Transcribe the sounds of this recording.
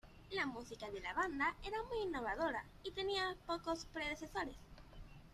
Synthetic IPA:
lamusikaðelaβ̞and̪aeɾamujinːoβ̞aðoɾa | it̪e̞niapokospɾeðeθesoɾes

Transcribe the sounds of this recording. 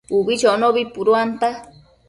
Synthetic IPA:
uβit͡ʃonoβipuɾuant̪a

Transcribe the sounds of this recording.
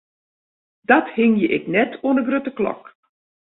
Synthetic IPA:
d̥ɔthɪŋjəʔɪknɛtʰuənəɡrøtəklɔ̰k

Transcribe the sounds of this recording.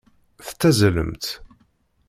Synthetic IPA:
θt͡s̪ːæzlə̰mt̪

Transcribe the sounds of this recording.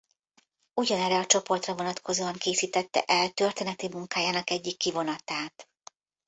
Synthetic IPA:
uɟɒnɛrːɛɒt͡ʃo̞po̞rt̪rɒvo̞nɒt̪kʰo̞zoːɒŋkeːsiːt̪ɛt̪ːɛ̰ʔɛlt̪ø̞rt̪eːnɛt̪imuŋkaːjaːnɒkɛɟːikːivo̞nɒt̪aːt̪

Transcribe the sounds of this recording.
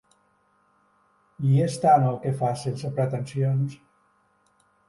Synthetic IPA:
iest̪anəlˠkefaselsəpɾət̪ənsions

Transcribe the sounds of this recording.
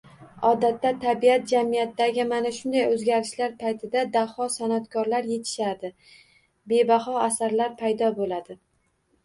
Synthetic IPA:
ɒd̪at̪ːat̪ʰːabiat̪̚d͡ʒamijat̪ːaɡʲɪmanaʃʊnd̪ajɵzɡʲaɾɪʃlaɾpʰajt̪ʰɪd̪ad̪ahɒsanat̪kʰɒɾlaɾje̞t̪ʰɪ̥ʃad̪ɪ | be̞baɦɒasaɾlaɾpʰajd̪ɒbolad̪ɪ

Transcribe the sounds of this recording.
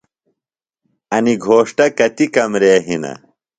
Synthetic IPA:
ɐniɡʱoːʂʈɐkɐt̪ikɐmɾeːɦinɐ̰

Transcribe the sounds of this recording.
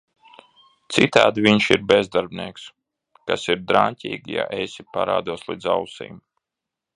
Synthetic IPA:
t̪sit̪aːd̪vʲiɲʃiɾbezd̪aɾbʲnʲiɛks | kasiɾd̪ɾaɲt̪ʲiːɡʲja̰ʔesipaɾa̰ːd̪uɔslˠiːzawsḭːm

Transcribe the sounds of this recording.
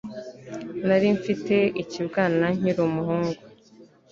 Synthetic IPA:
naɾiɱfiteicibɡaːnaɲ̥iɾomuɦuːŋɡu

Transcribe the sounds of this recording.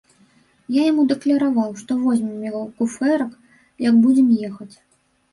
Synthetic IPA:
jajamud̪ɐklʲɐɾavawʂt̪ɔvɔzʲmʲɛmjɣɔwkufɛɾɐk | jɐɡbud͡zʲɛmjɛxɐt͡sʲ

